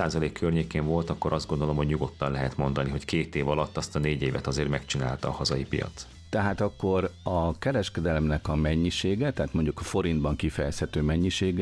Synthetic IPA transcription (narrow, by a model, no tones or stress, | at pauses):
aːzɒleːkʰːørɲeːkeːɱvo̞lt̪ɒkːo̞ɾʔɒzd̪ɡo̞nd̪o̞lo̞mhoɟɲuɡo̞t̪ːɒnlɛɦɛt̪mo̞nd̪ɒniɦo̞ckeːt̪eːvɒlɒt̪ːɒst̪ɒneːɟeːvɛt̪ɒzeːrmɛkt͡ʃina̰ːlt̪ɒːhɒzɒjipḭjɒ̰tt̪s | t̪ɛɦaːt̪ɒkːo̞rɒkɛɾɛʃkɛd̪ɛlɛmnɛkɒmɛɲːiʃeːɡɛt̪ɛɦːt̪mo̞ɲɟukɒfo̞ɾind̪bɒŋkifɛjɛshɛt̪øːmɛɲːiʃeːɡ